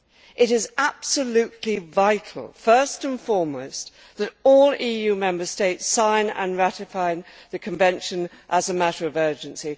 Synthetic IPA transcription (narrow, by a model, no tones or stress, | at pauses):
ʔɨɾɪzæb̥səlʉtʰˡlivaɪtʰˡl̩ˠfɜ˞stə̃nfɔɹmlos | ðɨɾɔlˠijʉmɛ̃mbə˞steɪtsãɪ̃nə̰̃nɹæɾɨfaɪðɨkʰɨ̃ɱvɛ̃nʃɨ̃nʔəzəmæɾə˞ʌvɜ˞d͡ʒɨ̃nsi